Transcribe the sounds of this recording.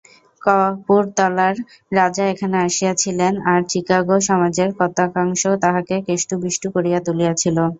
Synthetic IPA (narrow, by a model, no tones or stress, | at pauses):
kɔapuɾt̪ɔlaɾː | ad͡ʑaekʰaneaʃijat͡ɕʰilenaɾt͡ɕikaɡoʃɔmad͡ʑeɾkɔt̪akaŋʃot̪aɦakekeʃʈubɾiʃʈukoɾijat̪ulijat͡ɕʰilo